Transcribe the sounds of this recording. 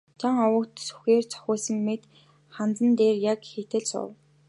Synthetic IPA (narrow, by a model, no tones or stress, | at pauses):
t͡ɕʰaŋɔwə̆kt̪su̥xeːrt͡sʰɔ̥xʲʊːsə̆ŋmet̪ | χant͡sə̆nt̪eːrjakxet̪ɘ̆ɮsʊ̰w